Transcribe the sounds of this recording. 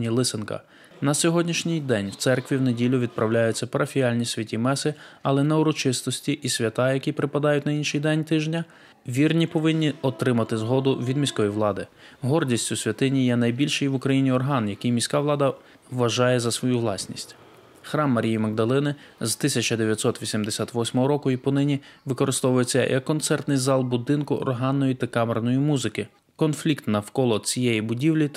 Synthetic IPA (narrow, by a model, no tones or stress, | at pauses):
nʲilˠɪsɪnkɐ̰ | nɐsʲɔɦɔdʲnʲiʃnʲɪjd̪ɛnʲwt̪sɛrkʋʲiwnedʲilʲʊʋʲid̪̚pɾʔɐwlʲajʊt͡sʲːɐpɐɾɐfʲijɑlʲnʲisʲʋʲɐtʲimɛsɪɐlˠɛnɛʊɾɔt͡ʃɪst̪ɔsʲtʲiʔisʲʋʲɐt̪ɑjɐkʲipɾɪpɐd̪ɑjʊtʲnɐinʃɪjd̪ɛnʲt̪ɪʒnʲɐ | ʋʲirnʲipɔʋɪnʲːiɔt̪ɾɪmɐt̪ɪzɦɔd̪ʊʋʲid̪mʲisʲkɔjiʋlˠɑd̪ɪ | ɦɔrdʲisʲtʲʊsʲʋʲɐt̪ɪnʲijɛnɐjbʲilʲʃɪjʋʊkɾɐjinʲiɔrɦɑnjɐkɪjmʲisʲkɑʋlˠɑd̪ɐ | ʋɐʒɑjɛzɐsʋɔjuʋlˠɑsʲnʲisʲtʲ | xɾɑmːɐɾʲijimɐɡd̪ɐlˠɪnɪ | zt̪ɪsʲɐt͡ʃɐd̪eʋjɐt̪ʲsɔt̪ʋʲisʲimd̪esʲat̪ʋɔsʲmɔɦɔɾɔkʊipɔnɪnʲiʋɪkɔɾɪst̪ɔʋʊjet͡sʲːɐ̰jʔɐ̰kːɔnt̪sɛrt̪nɪjzɑlˠbʊd̪ɪnkʊʔɔ̰rɦɑnːɔjit̪ɐkɑmernɔjimuzɪkɪ | kɔnflʲikt̪nɐwkɔlˠɔt͡sʲijɛjibʊdʲiwlʲi